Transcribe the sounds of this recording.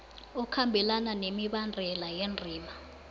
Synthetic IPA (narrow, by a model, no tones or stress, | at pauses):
ɔkʰambʱɛlananemiɓandʱɛlajend͡zʱiːma